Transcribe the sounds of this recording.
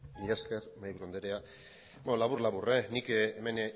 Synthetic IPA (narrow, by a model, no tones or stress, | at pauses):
niaskeɾmajβuɾond̪eɾea | benolaβurlaβurenikeme̞n